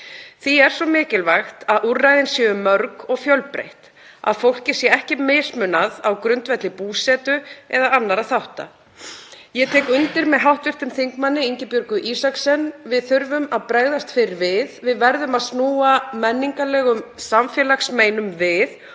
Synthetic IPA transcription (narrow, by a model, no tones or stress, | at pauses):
θiɛɾ̥sɔmɪːcɪlvaxt̪aðurːajðɪnsjɛʏmːœɾkɔɣfjœlpɾḛjht̪ | a̰ðfowl̥cɪ̥sjɛɛhcɪmeːsmʏnaðawkɾʏnt̪vɛt̪lɪpuːsɛːt̪ʏɛðaanːaɾaðθawht̪a̰ | jɛt̪ʰɛːkʏnt̪ɪɾmɛðɦawht̪vɪr̥t̪ʏmθiŋkmanːɪiɲcɪpjœɾkʏʔiːsaksɛnːvɪðθʏɾvʏmaðpɾeːɣðast̪fɪɾɪɾvɪðvɪðvɛɾðʏmaðsnuːamɛnːiŋkalɛːɣʏmsamfjɛlaksmeːjnʏmvɪð